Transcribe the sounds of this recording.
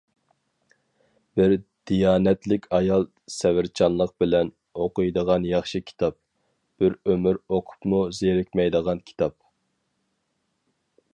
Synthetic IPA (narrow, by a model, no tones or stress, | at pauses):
b̥ɪɾd̪̥ijɑːnɛt̪lɪkʲʰɑjɑlˠ | sɛwɪɾt͡ʃʰɑnlˠəq̚bɪlɛn | oqʰʊjd̪əʁɑnjɑχʃɨkʲʰi̥t̪ʰɑp̚ | b̥ɪɾømyɾoqʰʊ̥pmuzeɾɪkʲmɛjd̪əʁɑnkʲʰi̥t̪ʰɑp̚